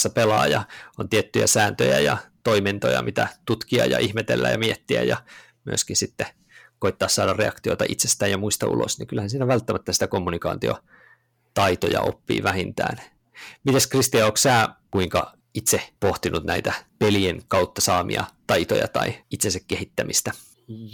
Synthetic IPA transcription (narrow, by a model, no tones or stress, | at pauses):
sːɑpelɑːjɑont̪iet̪ːyjæ̰sæːnt̪øjæjɑt̪oiment̪ojɑ̰mit̪æt̪ut̪kiɑ̰jɑ̰ʔihmet̪ḛlːæ̰jɑmiet̪ːiæ̰jɑ | myøskinsit̪ːe | koit̪ːɑːssɑːɾɑrreɑkt̪io̰it̪ɑʔit̪sest̪æːjjɑmuist̪ɑṵlo̰sniŋkylhænsiːnæʋælt̪ːæmæt̪ːæsi̥t̪ækomːunikɑ̰ːnt̪io̰ | t̪ɑit̪ojɑ̰o̰pːḭːʋæhint̪æ̰ːn | mit̪eskrist̪iɑoːkssæːkuiŋkɑ | it̪sepoht̪inut̪næit̪æpelienkɑut̪ːɑsɑːmḭɑ̰t̪ɑit̪o̰jɑ̰t̪ɑ̰iit̪sensækkːehit̪ːæmist̪æ